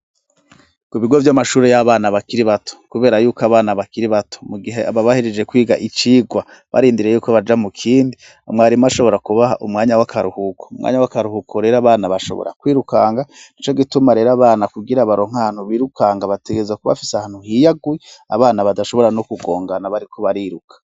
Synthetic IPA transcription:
kuβiɡo̞vjamaʃuːɾejaβaːnaβakiɾiβatʰo̥kuβe̞ːɾajuːkoaβaːnaβakiɾiβatʰo̞̥muɡiɦeʔaβaβahiɾed͡ʒe̞kwiːɡaʔit͡ʃiːɡwa | βa̰ɾiːndiɾe̞juːkoβad͡ʒamukʰiːndi | mŋaːɾimaʃo̞βo̞ɾakuβaɦa̰ʔumŋaːɲawakʰaɾuhukʰoumŋʔa̰ːɲawakaɾuhukʰoɾe̞ɾoaβaːnaβaʃo̞̰βo̰ɾʔa̰kwiːɾukaːŋɡanit͡ʃo̞ɡitumaɾe̞ːɾaβaːnakuɡiɾaβaɾo̞ŋ̥ahan̥huβiːɾukʰaːŋɡaβate̞ɡezakuβa̰fi̥seahaːn̥huhiːjaɡuia̰βaːnaβadaʃo̞βo̞ɾanokuɡo̞̰ːŋɡanaβaɾikʰoβaɾiːɾukʰḁ

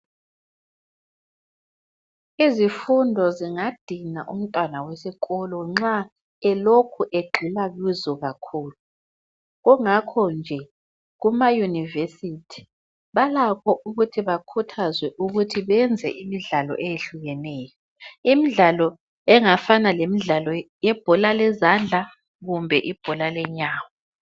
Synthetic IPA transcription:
izifundʱɔziŋad̥ʱinaʔṵm̩tʼwanawesikʼɔlɔŋ͡ǁa | ɛlokʰuʔeɡ͡ǃʱilaɣizɔɣakʰuːlu | ɣɔŋakʰɔnd͡ʒʱɛ | ɣumajunivesitʰi̥ | βalakʰɔʔuɣutʰiβakʰutʰazwɛʔuɣutʰiβɛnd͡zʱɛ̰ʔimiɮalɔ̰ʔejeɬuɣɛnɛːjɔ | imiɮalɔ | ɛŋafanalemiɮalɔ | jɛb̥ʱɔlalɛzand͡ɮʱa | ɣumbʱɛʔib̥ʱɔlalɛɲaːwɔ

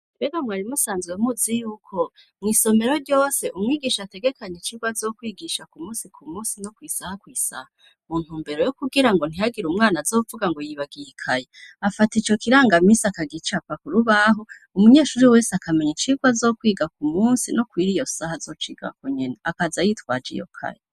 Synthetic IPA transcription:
beɡamŋaːɾimusaːnzɡemuzijuːkʰo̞ | mŋiːso̞me̞ɾo̞ɾɟo̞ːse̞ʔumŋiːɡiːʃate̞ɡe̞kaɲet͡ʃiɡwazokwiːɡiʃakumuːnsikʰumuːnsinokwiːsahakwiːsa̰ha | mun̥uːmbe̞ɾo̞jokuɡiɾaŋɡo̞n̥iaɡiɾumŋaːnazoːuvuɡaŋɡojiβaɡiikʰajeafatit͡ʃo̞kiɾaːŋɡamisakaɡit͡ʃapakuɾuβaɦo | umuɲe̞ːʃuɾiwe̞ːsakʰameɲit͡ʃiɡwazo̞kwiːɡak̚umuːnsinokwiːɾijo̞sahazo̞t͡ʃiːɡa̰koɲenaakazajitkwaːd͡ʒḭjo̰kʰa̰je

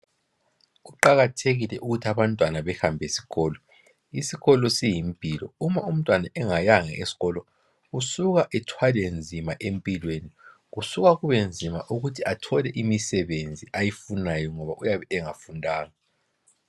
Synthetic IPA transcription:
ɣuǃaɣatʰeɣilɛʔuɣutʰiaβantʼwanaβɛhambʱesi̥ɣɔːlɔ | isiɣɔlɔsijimpʼilɔ̰umaum̩tʼwanaʔɛŋajaŋɛ̰esi̥ɣɔlɔ | usuɣaʔɛtʰwalend͡zʱimaʔempʼilweni | ɣusuɣaɣuβend͡zʱimaʔuɣutʰiatʰɔlɛʔimisɛβend͡zʱiʔajifunajɔŋɔβaʔujaβɛʔɛŋafundʱaːŋa

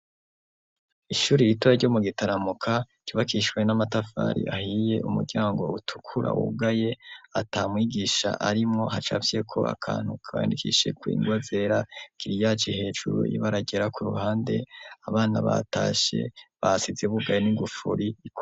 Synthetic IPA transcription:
iʃuːɾiɾitoɾaɾɟomuɡitaɾamukʰa | ɟ̥uːβakiʃwe̞namatafa̰ːɾḭʔahije̞ʔumṵɾɟaːŋɡo̞̰utʰu̥kʰuɾa̰wṵɡaje̞atamwiːɡiːʃa̰ʔaɾimŋo̞hat͡ʃa̰vje̞kʰo̞̰ʔa̰kʰa̰ːn̥hukʰaβaja̰ndikʰḭʃe̞̰kwḭːŋɡwaze̞ɾakiɾijat͡ʃihe̞ːd͡ʒuɾṵjḭβaɾaɟe̞ɾakʰuɾṵɦaːnde̞aβaːnaβa̰ta̰ːʃe̞̰βasizeβuɡajeniɡufuɾiik

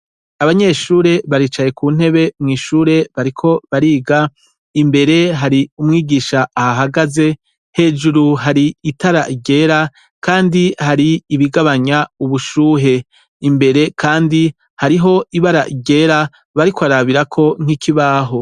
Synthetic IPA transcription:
aβaɲe̞ʃuːɾe̞βaɾiːt͡ʃaje̞kuːn̥he̞βe̞mŋiːʃuːɾe̞βaɾikʰo̞βaɾiːɡa | imbe̞ɾe̞ɦaɾiumŋiːɡiːʃaːhaɦaɡaze̞ | he̞ːd͡ʒuɾuɦaɾiitaɾaʔiɡɟe̞ːɾa | kaːndihaɾiːβiɡaβaɲauβuʃuːɦe̞ | imbe̞ɾe̞kʰaːndi | haɾiɦo̞iβaɾaʔiɟe̞ːɾa | βaɾikwaɾaβiɾakʰo̞ŋ̥ikʰiβaːɦo̞

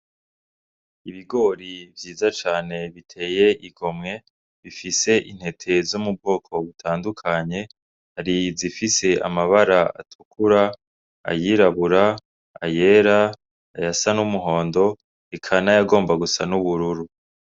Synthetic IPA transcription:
iβiɡo̞ɾivjiːzat͡ʃaːne̞βitʰe̞ːje̞ʔiɡo̞mŋe̞ | βifise̞ʔin̥he̞tʰe̞zumubɡo̞ːkʰo̞βutʰaːndukʰaɲe̞ | haɾizifise̞ʔa̰maβaɾaa̰tʰu̥kʰuɾa | a̰jiːɾaβuɾa | a̰je̞ːɾaː | jasanumuɦo̞ːndo̞ | ikʰanajaɡo̞ːmbaɡusanuβuɾuɾu

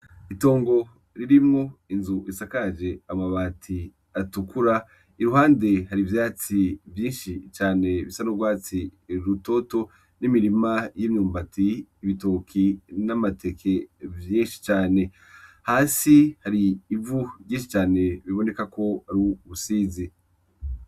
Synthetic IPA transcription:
ito̞ːŋɡo̞ | ɾiɾimoinzuisakaʒe̞amaβatʰi | atukuɾa | iɾuhaːnde̞haɾivjaːt͡sivjiːnʃit͡ʃaːne̞βisanoɡwaːt͡siɾuto̞to̞ | nimiɾimajimɲuːmbatiːβitoːkʰinamatʰe̞kʰevjiːnʃi̥t͡ʃaːne̞ | haːsihaɾiːvuɟiːnʃit͡ʃaːne̞βiβo̞ne̞kako̞aɾioβusiːzi

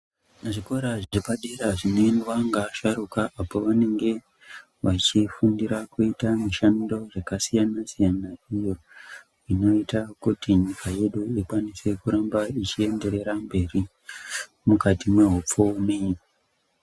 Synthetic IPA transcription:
neʐiko̞ɾaʐiʐibaɗeɾaʐinenwaŋɡaʃaɾukaʔapoʋane̞ŋɡe̞ | ʋat͡ʃifundiɾakuitameʃanido̞ʐekasijanasijanaijo̞ | ino̞itakutiɲikʰaje̞ɗuikwanise̞kuɾambait͡ʃie̞nde̞ɾe̞ɾambe̞ri | mukatimwe̞ɦup͡fomi

